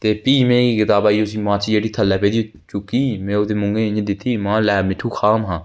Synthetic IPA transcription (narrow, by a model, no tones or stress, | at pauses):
t̪eːpiːmẽːkiːkɪt̪aːbaːiːʊs̬ĩːmãːt͡ʃiːd͡ʒeːɽiːt̪ʰəlːɛːpeːd̪iː | t͡ʃʊkiːmɛ̃ːoːt̪eːmʊŋɡẽːɪɲd̪ɪt̪ʰːiːmãːlɛːmɪʈʰːuːkʰaːmɦãː